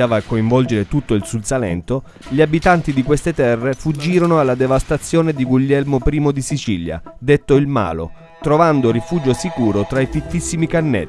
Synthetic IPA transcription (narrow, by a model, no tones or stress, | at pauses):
aːvaːkːoiɱvɔld͡ʒeɾet̪ut̪ːoilsulsalɛ̰nt̪o | ʎiabit̪ant̪id̪ikwest̪et̪ɛrːefud͡ʒːiːɾonoalːad̪evast̪at̪sːjoːned̪iɡuʎːɛlmopɾiːmod̪isit͡ʃilja̰d̪et̪ːoilma̰ːlo̰ | t̪ɾovand̪oɾifuːd͡ʒosikuːɾot̪ɾaifit̪ːisːimikanːɛ̰